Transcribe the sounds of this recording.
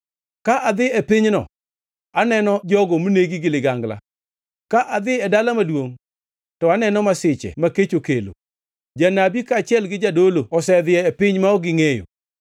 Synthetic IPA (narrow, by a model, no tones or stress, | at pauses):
kaʔad̪ɪɛpɪɲnɔ̰ | anɛnɔd͡ʒɔɡɔmuneɡiɡɪlɪɡaŋɡla̰ | kaʔad̪ɪɛdalamadwoŋ | tɔanɛnɔmasɪt͡ʃɛ̰maket͡ʃokelo̰ | d͡ʒanabikaːt͡ʃɪɛlɡɪd͡ʒadoloɔsɛd̪ɪɛɛpɪɲmaɔɡɪŋejo̰